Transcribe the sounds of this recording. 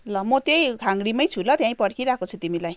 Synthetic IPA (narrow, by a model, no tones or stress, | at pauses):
lʌmʌt̪jejkʰaŋɡɽimʌjt͡sʰulʌt̪jãj̃pʌɽkiɾakot͡sʰut̪imilaj